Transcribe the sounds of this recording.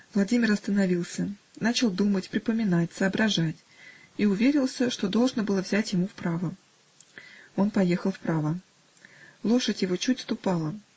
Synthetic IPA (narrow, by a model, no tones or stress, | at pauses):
vlˠɐdʲimʲɪrɐst̪ənɐvʲilˠsʲə | nat͡ɕɪlˠd̪umətʲpɾʲɪpəmʲɪnatʲsəːbɾɐʐatʲ | iʊvʲeɾʲɪlˠsʲəʂt̪o̞d̪o̞lˠʐnəbɨlˠəvzʲætʲjɪmufpɾavə | o̞npɐje̞xəlˠfpɾavə | lˠo̞ʂətʲjɪvo̞t͡ɕutʲst̪ʊpɑlˠə